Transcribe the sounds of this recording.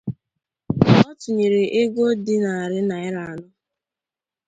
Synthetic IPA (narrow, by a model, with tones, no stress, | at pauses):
ɔ˦tʊ˨ɲe˨ɾe˨ʔɪ˦ɡo˦dɪ˦na˨a˨ɾɪ˦na˨ɪ˦ɾa˨a˨nʊ˦